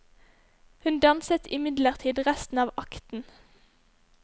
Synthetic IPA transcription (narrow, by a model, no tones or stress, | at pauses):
hʉnd̪ɑnsət̪ʰɪmɪd̪ləʁt̪ʰiːd̪ʁɛst̪n̩ɑːʋɑkt̪n̩